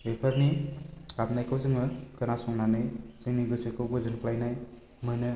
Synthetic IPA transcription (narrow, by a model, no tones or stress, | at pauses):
epʰaɾniap̚najkʰɯwzɯŋɯkɯnasɔŋnanɯjz̥ɯŋniɡɯsɯkʰɯwbɯzɯnkʰlajnaj | mɯnɯ